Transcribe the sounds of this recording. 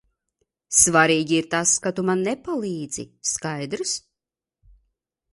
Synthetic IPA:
svaɾiːɡʲiiɾt̪askat̪umanːɛpalˠiːd̪zḭskajd̪ɾɨs

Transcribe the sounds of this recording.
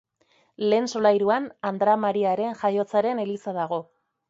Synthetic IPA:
le̞ːnso̞lajɾuanand̪ɾamaɾiaɾe̞nʝajo̞t͡saɾe̞ne̞lisaðaɣ̞o̞

